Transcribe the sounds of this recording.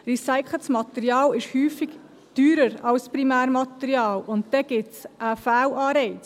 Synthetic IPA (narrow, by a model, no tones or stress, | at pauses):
ɾisaɪkʰləsmɑt̪ɛɾjɑːlɪʃhyːfɪɡ̥ | d̥yːɾəɾɑlspɾimæːɾmɑt̪ɛɾiɑːlʊntd̪̥ɛɡ̥ɪtsəfæːlɑːɾɛɪt͡s